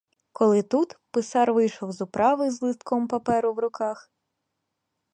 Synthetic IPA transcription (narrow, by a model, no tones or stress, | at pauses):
kɔlˠɪt̪ut̪pɪsɑɾʋɪjʃɔwzʊpɾʔɑʋɪzlˠɪst̪kɔmpɐpɛɾʊwɾʊkɑx